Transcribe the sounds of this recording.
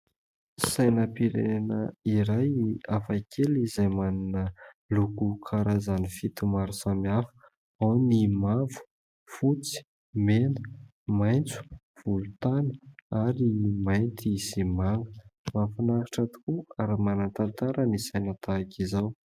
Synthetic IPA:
sajnəpiɾḛnnəiɾajiafakʰelizajmaninə | lukukʰaɾazanifit̪umaɾusamiafə̥ | awnimavu̥ | fut͡si̥ | menə | majnt͡su̥ | v̥ulut̪anəaɾimajnt̪ʰisimaŋɡəmafinakiʈ͡ʂət̪u̥kuaɾamanant̪ant̪aɾənisajnət̪aakizaw

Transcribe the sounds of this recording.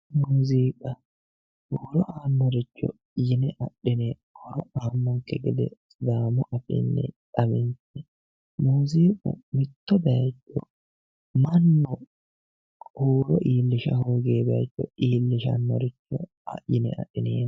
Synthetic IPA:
muːziːkʼɐ | huːɾɔʔaːnːɔɾɪt͡ʃːɔ̰ | jɪnɛʔɐɗːɪnɛ | kʰɔɾɔʔaːmːɔŋkːɛɡɛd̪ɛ̰sʼd̪aːmʊʔɐfɪ̰nːɛ̰ᶑʼɐmɪnsɛ | muːziːkʼʊ̰mɪt̪ːɔbɛɐt͡ʃːɔ | mɐnːɔ | huːɾɔʔiːlːɪʃɐhuːɡeːbɛɐ̰t͡ʃʼːɔiːlːɪʃɐ̰nːɔɾɪt͡ʃːɔ | ɐ̰jɪnɛ̰ʔɐ̰ɗɪneːn

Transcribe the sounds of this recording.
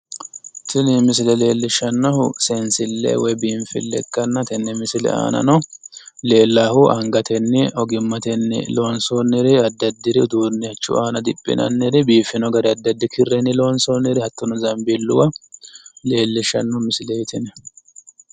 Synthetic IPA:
t̪ɪnɪmɪsɪlɛle̞ːlːɪʃːɐnːɔhʊsɛnsɪlːɛ̰wɔjbiːɱfɪ̰lːɛ̰kʼːɐnːɐt̪ɛnːɛmɪsɪlɛ̰a̰ːnɐ̰nɔle̞ːlːaːhʊʔɐŋɡɐt̪ɛnːɪɔɡɪmːɐt̪ɛnːɪ̰lo̞ːnsoːnːɪɾɛɐd̪ːɐd̪ːɪɾɪʊd̪uːnːɪɐt͡ʃːʊ̰aːnɐd̪ɪpʼːɪ̰nɐ̰nːɛɾɪbiːfɪnɔɡɐɾɪɐd̪ːɐd̪ːɪkʰɪrːɛnːɪlo̞ːnsoːnːɪɾɪhɐt̪ːɔnɔzɐmbɪlːʊ̰wɐ | le̞ːlːɪʃːɐnːɔmɪsɪlɛjt̪ɪnɛ

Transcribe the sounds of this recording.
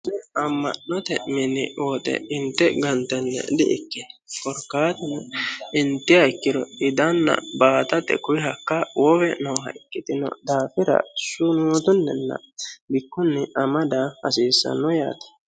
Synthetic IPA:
nɛɐmːɐ̰ʔnːɔt̪ɛʔmɪnːɪ̰oːt̪ɛ̰ɪnt̪ːɛɡɐnt̪ɛnːɛ̰d̪ɪʔɪkːɛkɔɾkːaːt̪ɪnɐɪnt̪ːɪɐɪkːɪɾɔ̰ɪd̪ɐnːɐ̰baːt̪ɐt̪ːɛ̰kʊjɪɦɐkːɐwɔwɛnɔwɦɐ̰ɪkːɪt̪ɪnɔ̰d̪aːfɪɾɐ̰ʃʊnut̪ʊnːɛnːɐ̰bɪkːʊnːɛʔɐmɐd̪aɐ̰siːsːɐ̰nːɔja̰ːt̪ɐ̥

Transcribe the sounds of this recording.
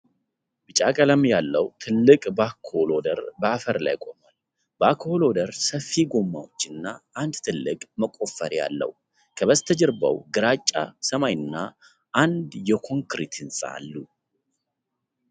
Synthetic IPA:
bɨt͡ʃʼakʼələmjalːəwt̪ʰɨlːɨkʼbakʰːolod̪əɾbəafəɾla̰jkʼo̞mal | bəakʰːəholod̪əɾsəfːiɡomːawot͡ʃːɪnːaʔand̪t̪ʰɨlːɨkʼməkʼo̞fəɾja̰lːə̰w | kʰəβəst̪ʰəd͡ʒɪɾbə̰wɡɨɾat͡ʃʼːasəmajɨnːa | ʔand̪jɛkʰo̞ŋkɾit̪ʰɨnsʼa̰a̰lːu

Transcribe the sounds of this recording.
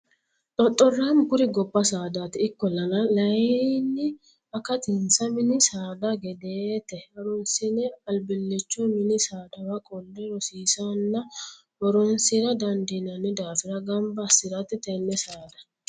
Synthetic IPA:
ᶑ̪ʼɔt̪ʼːɔrːamɡʊɾɪɡɔbːɐsaːd̪at̪ɪːkːɔlɐlɐlɐjinːɪ | ɐkɐt̪ɪnsɐmɪnɪsaːd̪ɐɡɛd̪et̪ɛɐɾɔnsɪnɛɐlbɪlːɛt͡ʃːɔmɪnɪsaːd̪ɐwɐkʼɔlːɛɾɔsiːsanːɐ | wɔɾɔnsɪɾɐd̪ɐnd̪inɐnːɪd̪aːfɪɾɐɡɐmbɐsɪɾɐt̪ːɪt̪ɛnːɛsaːd̪ɐ̥

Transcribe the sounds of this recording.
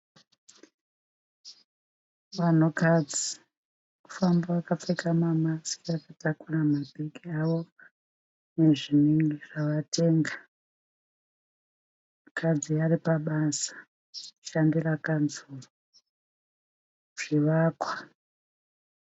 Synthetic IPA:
ʋan̤ukad͡zi | mufambaakap͡fekamamasiakatakuramabʱiɡiaʋo̞ | neʐineŋɡeʐaʋateːŋɡa | kʰad͡zijaripaɓasḁ | ʃandirakanzuru | ʐ̥iʋakwa

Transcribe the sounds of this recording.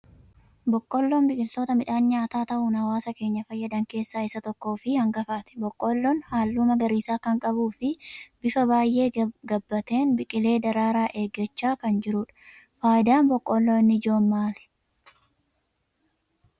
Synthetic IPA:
bɔkʼːɔlːoːnbɪkʼɪlt̪o̞ːt̪ɐmɪᶑaːnɲaːt̪aːt̪ɐʔunɐwaːsɐke̞ːɲːɐfɐjːɐd̪ɐŋke̞ːsːaːɪsɐt̪ɔkːo̞ːfɪhɐŋɡɐfaːt̪ɛ̥bɔkʼːoːlːɔnhaːlːuːmɐɡɐɾiːsaːkɐŋkʼɐbuːfɪbɪfɐbaːjːe̞ːɡɐbːɐt̪e̞ːnbɪkʼɪle̞ːd̪ɐɾaːɾaːʔe̞ːɡːɐt͡ʃːaːkɐnd͡ʒɪɾʊᶑɐ̥ | faːjɪd̪aːnbɔkʼːɔlːoːɪnːɪd͡ʒo̞ːmmaːlɛ̥

